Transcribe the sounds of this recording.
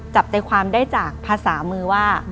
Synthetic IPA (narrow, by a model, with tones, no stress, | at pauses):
t͡ɕa˨˩p̚t͡ɕa˧jkʰwaː˧mdaː˥˩jt͡ɕaː˨˩k̚pʰaː˧saː˩˦mɯː˧waː˥˩